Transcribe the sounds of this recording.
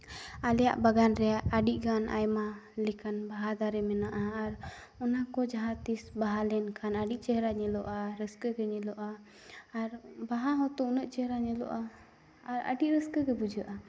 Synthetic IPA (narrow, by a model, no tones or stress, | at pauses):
alɛja̰ʔbaɡanɾɛaʔaɖiʔˀɡanʔa̰jmalikanbaɦad̪aɾɛmɛnaʔaːɾ | ɔnakɔd͡ʒaɦat̪isbaɦalɛnkʰanaɖiʔ̚t͡ʃɛɦɾaɲɛlɔʔaɾəskəɡɛɲɛlɔʔaː | ɾbaɦaɦɔ̃t̪ɔunəʔ̚t͡ʃɛɦɾaɲɛlɔ̰ʔaː | ɾa̰ɖiʔɾəskəkɛbud͡ʒəʔa